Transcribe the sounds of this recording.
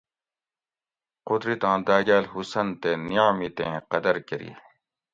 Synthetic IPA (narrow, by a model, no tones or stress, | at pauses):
qʊd̪ɾit̪ãːd̪aːɡaːlhusɐnt̪enijaːmit̪ḛ̃ːqɐd̪ɐɾkeɾḭː